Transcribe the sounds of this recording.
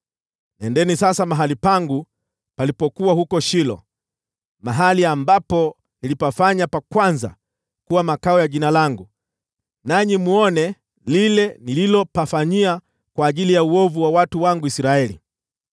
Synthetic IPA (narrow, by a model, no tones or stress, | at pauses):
nɛndɛnisasamaɦalipaŋɡu | palipɔkuwahukɔʃilɔ̰ | maɦaliambapɔ | nilipafaɲapakwanza̰ | kuwamakaɔjaʄinalaŋɡu | naɲimuɔnɛ | lilɛnililɔpafaɲia | kwaːʄilijauɔvuwawatuwaŋɡuisiɾaɛlḭ